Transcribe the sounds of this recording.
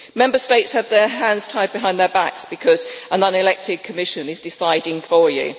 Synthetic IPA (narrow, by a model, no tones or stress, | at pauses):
mɛ̃mbəsteɪtshəvðəɦãndz̥tʰaɪd̚bɪɦãɪ̃nðəbaksb̥ɪkʰɒzə̃nʌ̃nɪlɛk̚tɪd̥̚kʰəmɪʃə̃nɪzdɪsaɪdɪ̃ŋfəjʉ̰